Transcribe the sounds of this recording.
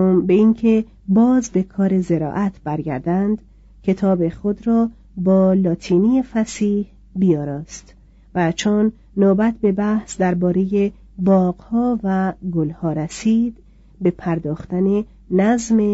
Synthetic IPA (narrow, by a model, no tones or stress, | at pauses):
mbeiŋkʰe | bɒːzbe̞kʰɒːɾe̞zeɾɒ̰ːʔæt̪ʰb̥æɾɡæ̰ɾd̪ænd̪ | cʰet̪ʰɒːbeχod̪ɾɒː | bɒːlɒːt̪ʰiːniːjefæsiːh | bijɒːɾɒːst̪ | væt͡ʃʰonː | oːbæt̪̚ʰbe̞bæhsd̪æɾbɒːɾe̞je | bɒːɡ̥hɒːvæɡolhɒːɾæsiːd̪ | be̞pʰæɾd̪ɒːχt̪æne | næzme